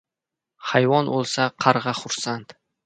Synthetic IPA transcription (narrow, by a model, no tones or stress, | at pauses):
hajvɒnolˠsaqʰɑɾʁɑχʊɾsant̪